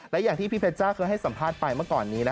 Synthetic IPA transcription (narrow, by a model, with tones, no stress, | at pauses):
lɛ˦˥jaː˨˩ŋt̪ʰiː˥˩pʰi˥pʰe˧t͡ɕaː˥˩wkʰɤː˧jɦa˥˩jsa˩˦mpʰaː˥˩t̪̚pa˧jma˥˩ɐkɔː˨˩nːiː˦˥na˦˥